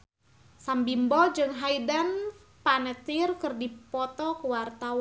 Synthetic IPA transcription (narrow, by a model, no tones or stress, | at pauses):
sambimbɔd͡ʒɨŋɦaidan | panət̪irkɨrdipɔt̪ɔkəwart̪aw